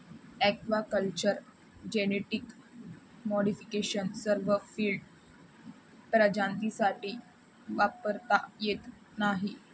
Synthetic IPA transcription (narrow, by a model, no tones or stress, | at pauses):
ɛkʋakəlt͡ɕəɾ | d͡ʑeneʈik | mɔɽifi̥keɕənsəɾʋəfiːlɖ | pɾəd͡ʑãnt̪isaʈiː | ʋapəɾt̪ajet̪ | naɦi